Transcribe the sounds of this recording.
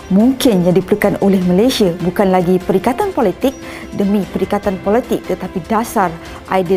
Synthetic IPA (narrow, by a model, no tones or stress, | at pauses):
muŋkɪnjadipəɾukanolɛhmalajsiabukanlaɡipəɾikat̪anpolit̪ɪk̚ | dəmipəɾikat̪anpolit̪ɪk̚t̪ət̪apidasar | ʔaidi